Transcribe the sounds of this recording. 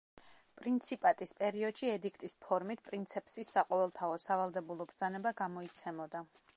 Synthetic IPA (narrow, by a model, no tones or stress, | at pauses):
pʼɾint̪sʰipʼat̪ʼispʼɛɾiɔd̪̥ʃiɛd̪ikʰt̪ʼispʰɔɾmit̪̚ʰpʼɾint̪sʰɛpʼsisːaqʼɔvɛlˠt̪ʰaɔsavalˠd̪ɛbulˠɔbɾd̪zanɛbaɡamɔit̪sʰɛmɔd̪a